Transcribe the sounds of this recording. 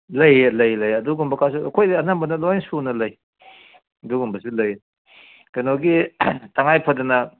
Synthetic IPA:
lɐjelɐjlɐjɐduɡumbɐkʰas̬uɐkʰojdɐɐnambɐnɐloansunɐlɐj | ɐduɡumbɐsilɐj | ɡɐnoɡitɐŋajpʰɐdɐnɐ

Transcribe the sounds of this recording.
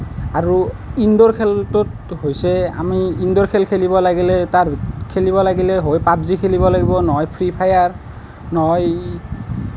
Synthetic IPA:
aɹu | indɔɹkʰeltotɦojsɛa̰miindɔɹkʰelkʰelibɔlaɡilɛtaɹkʰeliβɔlaɡilɛɦojpabzikʰelibɔlaɡibɔnɔɔjpʰɹipʰajaɹ | nɔɔj

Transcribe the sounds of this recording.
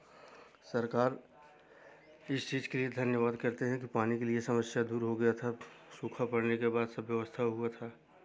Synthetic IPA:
sɐɾkaːɾ | ɪst͡ʃiːzkelied̪ʱɐnjəʋaːd̪kɐɾt̪eɦɛ̃kipaːnikeliesɐməsjad̪uːɾɦoɡɐjat̪ʰasuːkʰapɐɽnekebaːd̪sɐbjəʋəst̪ʰaɦuat̪ʰaː

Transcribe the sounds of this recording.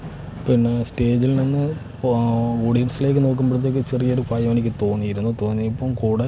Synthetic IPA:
pinːesʈe̞ːd͡ʑilninːɨ | oːɽijɐɳʈsile̞ːk̬ʲːɨno̞ːk̬ːumbeɽt̪̬ːeːk̬ːɨt͡ɕerijɐoɾukaːjɐme̞nikʲːɨt̪o̞ːnːijiɾunːut̪o̞ːnːijipːoːmkuːɽe

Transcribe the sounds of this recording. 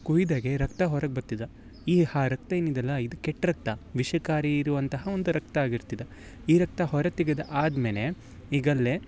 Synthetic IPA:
kuid̪aːɡe̞ɾɐkt̪ɐɦɔɾɐɡ̚bɐɾt̪id̪ɐ | iːhaːɾɐk̚t̪ɐeːnid̪ɐlːɐid̪ukɛʈːɾɐk̚t̪ɐʋiʃɐkaːɾiːɾuʋɐnt̪ɐɦɐond̪uɾɐkt̪ɐaːɡiɾt̪id̪e | iːɾɐk̚t̪ɐɦɔɾɐt̪iɡed̪ɐʔaːd̪meːle | iːɡɐlːe

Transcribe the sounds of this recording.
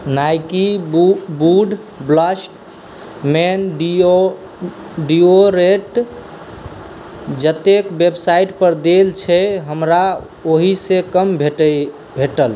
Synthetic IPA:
najkibuɖ | bləsʈ | menɖ | ɖioɾeʈ | d͡ʒət̪ekbebsaiʈpəɾd̪elt͡ʃʰɛɦəmɾa | oɦisekəmbʱʈə | bʱeʈəl

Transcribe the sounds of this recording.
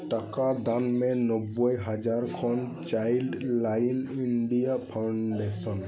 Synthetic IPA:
ʈakad̪anmɛnɔbɔjɦad͡ʒaɾkʰɔn | t͡ʃajlɖlajniɳɖijapʰawɳɖesɔn

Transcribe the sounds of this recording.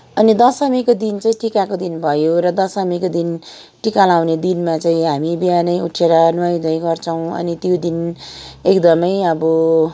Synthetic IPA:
ʌnid̪ʌsʌmikod̪int͡saĩʈikakod̪inbʱʌjoɾʌd̪ʌsʌmikod̪in | ʈikalaw̃ned̪inmat͡saĩɦamibiɦanʌjuʈʰeɾʌnwaj̃d̪ʌjɡʌrt͡sʰʌw̃ʌ̰nit̪jod̪inekd̪ʌmʌjʌbʌ

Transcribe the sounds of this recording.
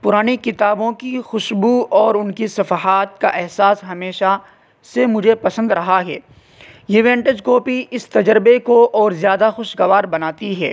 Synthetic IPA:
pʊɾaːnikɪt̪aːbõkixʊʃbuɔːɾʊnkisɐfaɦaːt̪ka̰ʔɛɦsaːsɦɐmeːʃa | semʊd͡ʒʱepɐsə̃nd̪ɾɐɦaɦɛː | jeːʋẽːɳʈəd͡ʒkoːpiʔɪst̪ɐd͡ʒəɾɪbekoʔɔːɾzjaːd̪axʊʃɡɐʋaːɾbɐnaːt̪iɦɛ̰ː

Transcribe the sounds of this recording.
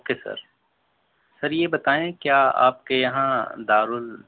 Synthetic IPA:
kesɐ̰ɾ | sɐɾjebɐt̪aːẽkjaːa̰ːp̚kejɐɦãd̪aːɾʊl

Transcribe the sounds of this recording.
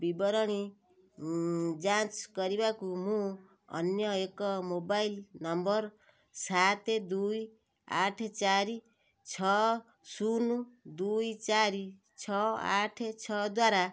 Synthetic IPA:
bibɔɾɔɽ̃i | d͡ʒãt͡ʃkɔɾibakumũ | ʌ̰njʌekɔmobailnʌmbɔɾ | sat̪ʰed̪uj | a̰ʈʰt͡ʃaɾi | t͡ʃʰɔ | sunud̪ujt͡ʃaɾi | t͡ʃʰɔa̰ʈʰet͡ʃʰɔd̪waɾa

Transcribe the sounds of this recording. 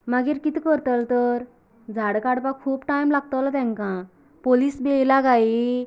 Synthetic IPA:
maɡiːɾkit̪ikəɾt̪əlt̪əɾ | d͡zʱaɽkaɽpãkʰuːpʈajmlaɡ̚t̪əlat̪ɛ̃ŋkã | poliːsbejlaɡai

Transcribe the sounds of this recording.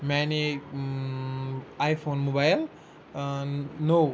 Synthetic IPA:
mɛne | ajfʰoːnmobajl | no

